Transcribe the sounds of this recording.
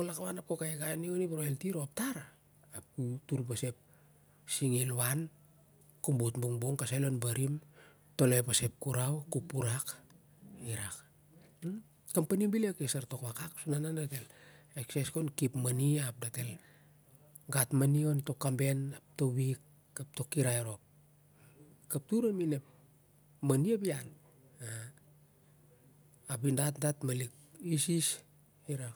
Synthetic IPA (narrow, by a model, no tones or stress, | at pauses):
olakaβanap̚kokajɡanionipaɾoeltiɾoap̚taɾa | ap̚kutuɾpase̞p̚ | siŋilwan | kumbutbuŋbuŋkasalo̞nbaɾim | to̞lejpase̞p̚kuɾawkupuɾak | iɾak | kampanibilekesaɾto̞kakaksunanandate̞lekseskonkipmaniap̚date̞l | ɡatmanio̞nto̞kːambe̞nap̚toβikː | ap̚to̞kiɾajeɾo̞p̚ | kap̚tuɾaminep̚ | maniabian | a | apindatdatmalik̚ | isis | iɾak